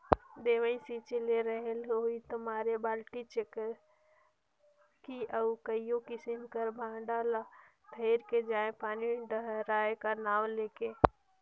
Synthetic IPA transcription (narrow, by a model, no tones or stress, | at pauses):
d̪eʋəĩsit͡ʃeleɾəɦeloɦit̪əmaːɾebaːlʈit͡ʃek | kiʔəukəijõkisinkəɾbʱãːɖala | p̪ʰeɪɾked͡ʒaːẽpaːniɖəɦɾaːekanaːwleke